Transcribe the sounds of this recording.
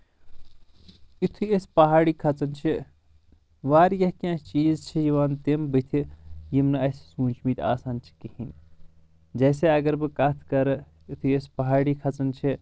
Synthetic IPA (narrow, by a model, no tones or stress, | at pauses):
it̪ʰuespɐɦaːɽikʰɐt͡sɐnt͡ʃʰi | ʋaːɾjɐɦkʲãst͡ʃiːzt͡ʃʰijiʋaːnt̪embɨt̪ʰijimnɨɐssũːnt͡ʃʰmit̪a̰ːsaːnt͡ʃʰi̥kihin | d͡ʒɐːseɐɡɐɾbɨkat̪ʰkɐɾɐ | it̪ʰuespɐɦaːɽikʰɐt͡sɐnt͡ʃʰi